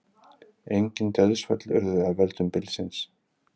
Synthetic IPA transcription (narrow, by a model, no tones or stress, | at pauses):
ejɲcɪnt̪ɛðʏsfœt̪lʏɾðʏavɛlt̪ʏmpɪlsɪns